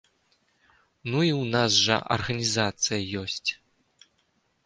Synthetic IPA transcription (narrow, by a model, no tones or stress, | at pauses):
nuiwnasʐɐ̰ʔɐ̰rɣɐnʲizat̪sɨjɐjɔsʲt͡sʲ